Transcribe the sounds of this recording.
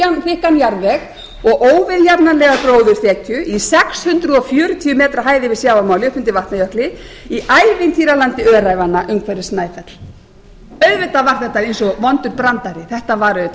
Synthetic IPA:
anθɪhkanjaɾvɛx | ɔɣʔoːwvɪðjapnanlɛːɣakɾoːwðʏɾ̥θɛːcʏʔisɛkshʏnt̪ɾʏɔfjœːɾʏt̪ʰiːʏmɛːt̪ɾaɦaːjðɪvɪðsjaːwvamaːwlɪɔhpʏnt̪ɪvaht̪najœhklɪ | iʔajvɪnt̪ʰiːɾalant̪ɪœːɾaːjvanːaʔʏmkʰvɛɾɪsnaːjfɛt̪l̥ | œɥvɪt̪avaɾ̥θɛht̪ːaejnsɔvɔnt̪ʏɾpɾant̪aɾɪθɛht̪avaɾʏ

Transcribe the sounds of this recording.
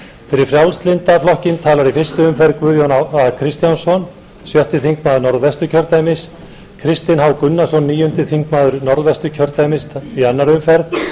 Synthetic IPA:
fɪɾɪɾfɾjawlst̪lɪnt̪aflɔhcɪnt̪ʰaːlaɾifɪrst̪ʏʏmfɛɾðkvʏðjɔnaakʰɾɪst̪jansɔn | sjœht̪ʏθiŋkmaːðʏɾnɔɾðvɛst̪ʏcʰœɾt̪ajmɪs | kʰɾɪst̪ɪnɦawkʏnːasɔnːiːjʏnt̪ɪθiŋkmaːðʏɾnɔɾðvɛst̪ʏcʰœɾt̪ajmɪst̪ianːaɾʏmfɛɾð

